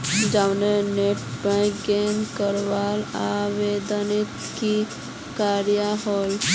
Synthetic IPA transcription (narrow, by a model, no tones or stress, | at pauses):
d͡ʒawneneʈbãɡenkəɾʋalaʋed̪ənet̪ki | kaɾjaɦɔl